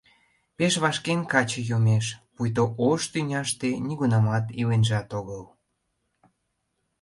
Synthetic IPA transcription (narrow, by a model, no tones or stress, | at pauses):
peʃβɑʃkenkɑt͡ɕɤ̆jomeʃpujt̪oʔoʃt̪ynʲɑʃt̪enʲiɣunɑmɑt̪ilenʒɑt̪oɣəl